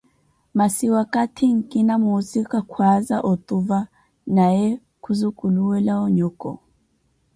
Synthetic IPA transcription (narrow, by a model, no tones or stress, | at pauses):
masiwakatʰiŋ̩kʼinamusikakʰwazaʔɔt̪ʼuva | najɛ | kʰuzukuluwɛlaɔɲɔkɔ̰